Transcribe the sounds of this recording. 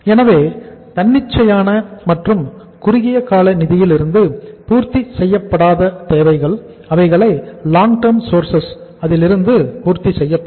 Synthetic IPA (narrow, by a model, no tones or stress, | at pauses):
ɛnɐʋeːt̪ɐnːɪt͡ʃːɐjaːnɐmɐʈrɯm | kʊɾɪɣɪjɐkaːlɐnɪðɪjɪlɪɾɯnd̪ɯpuːɾt̪isɛjːɐpːɐɽaːðɐt̪eːʋɐɪɣɐɭ | ɐʋɐɪɣɐɭɐɪlaːŋʈɐɾmsoːɾsɐsɐðɪlɪɾɯnd̪ɯpuːɾt̪isɛjːɐpː